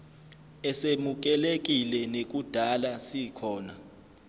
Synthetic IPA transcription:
ɛsemuk̬ɛlek̬ʼilɛnek̬ud̥ʱalasikʰɔːna̰

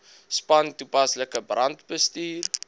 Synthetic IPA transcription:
spɐntupɐsləkəbrɐntbəstiːr

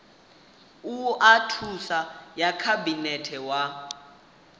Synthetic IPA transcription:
uatʰusajakʰabinɛtʰɛwa

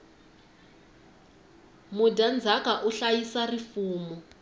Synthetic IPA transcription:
mudand͡zʱakaʔuɬajisarifuːmu

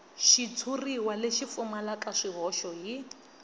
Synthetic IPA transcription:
ʃit͡sʰuriwaleʃip̪fumalakʼaʂiɦɔʃɔɦi

